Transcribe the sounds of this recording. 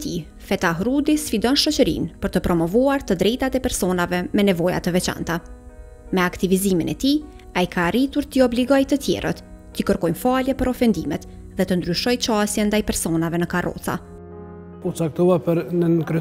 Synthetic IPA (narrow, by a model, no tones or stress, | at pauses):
t̪i | fɛt̪aɦɾud̪isfid̪ɔnʃɔt͡ɕəɾḭnpəɾt̪əpɾɔmɔvuaɾt̪əd̪ɾɛjt̪at̪ɛpɛɾsɔnavɛmɛnɛvɔja̰t̪əvɛt͡ʃa̰nt̪a | mɛakt̪iviziminɛt̪i | ajkaːrit̪uɾt̪iɔbliɡɔjt̪ət̪jɛ̰ɾʔə̰t̪ː | ikəɾkɔjnfaljɛpəɾɔfɛnd̪imɛt̪ | ðɛt̪ənd̪ɾyʃɔjt͡ʃast̪jɛnd̪ajpɛɾsɔnavɛnəkarɔ̰θa̰ | pɔt͡sak̚t̪uapəɾnənkɾ